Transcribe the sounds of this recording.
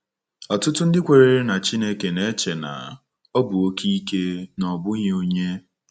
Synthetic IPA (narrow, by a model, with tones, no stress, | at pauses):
ɔ˨tʊ˦tʊ˦n̩˦dɪ˦kʷe˨ɾe˨ɾe˦na˨t͡ʃi˦ne˦ke˨ne˦t͡ʃe˨na̰˨ | o˦bu˨o˦ki˦ke˦nɔ˨bʊ˦ɲe˦o˦ɲe˦